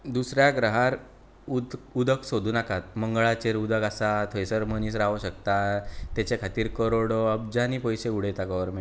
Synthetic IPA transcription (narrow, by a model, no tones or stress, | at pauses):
d̪usɾjaɡɾəɦaɾ | ud̪ud̪ʱəksod̪ʱuːnakat̪məŋɡɭat͡ɕeɾud̪əkasat̪ʰəjsəɾməniːs̬ɾaʋɕəkt̪at̪at͡ɕekʰat̪iːɾkəɾoɽoəb̚d͡ʑaniːpəjseuɽ̤ejt̪aɡɔʋəɾmẽ